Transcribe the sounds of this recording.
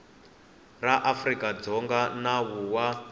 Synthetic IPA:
raʔafrikad͡zɔŋɡanawuwa

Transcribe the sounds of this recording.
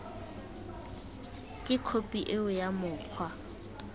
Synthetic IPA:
kʼɪkʰopʼiʔeʊjamʊːq͡χʰwa

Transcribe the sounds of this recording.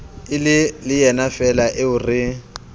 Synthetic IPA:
ɪlɪlɪjɛnafɛlaʔɪʊrɪ

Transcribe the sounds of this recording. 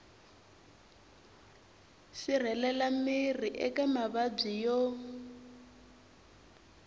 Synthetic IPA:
sir̤ɛlɛlamiriʔɛkamaβab͡ʐijo

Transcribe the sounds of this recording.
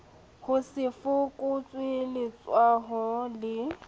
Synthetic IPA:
hʊsɪfʊkʼʊt͡sʼwɪlɪt͡sʼwaɦɔlɪ

